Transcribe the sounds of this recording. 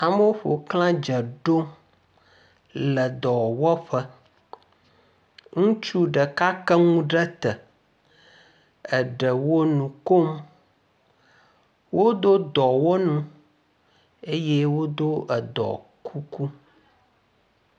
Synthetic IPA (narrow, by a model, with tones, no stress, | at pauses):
a˨mə˦o˦ɸo˨klã˦d͡ʒə˨ɖo˦ | lə˨d̪ɔ˨wɔ˦ɸə˦ | ŋũ˦t͡ʃu˦ɖə˨ka˦kə˦ŋũ˦ɖə˦t̪ə˨ | ə˨ɖə˨wo˦nũ˨ko˦m | wo˦d̪o˦d̪ɔ˨wo˦nũ˦ | e˦jɛ˦wo˦d̪o˦ʔə˨d̪ɔ̰˨kʰu˦ku˦